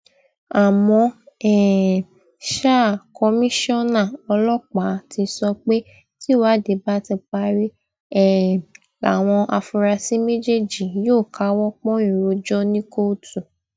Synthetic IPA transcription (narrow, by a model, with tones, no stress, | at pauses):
a˨mɔ̃˧ɛ˨ | ʃa˦˨kɔ˧mĩ˦ʃɔ̃˦˨nã˦˨ɔ˧lɔ˦k͡pa˨˦ti˧sɔ˧k͡pe˦ | ti˦wa˨˦˨de˨˦ba˦ti˧k͡pa˧˦ɾi˦ | ɛ˦˨ | la̰˨w̃ɔ̃˧ʔa˧fu˧ɾa˧si˦me˦d͡ʒe˦˨d͡ʒi˨joː˦˨ka˨˦wɔ˦k͡pɔ̃˦ĩ˦˨ɾo˨˧d͡ʒɔ˦nĩ˦ko˦tu˨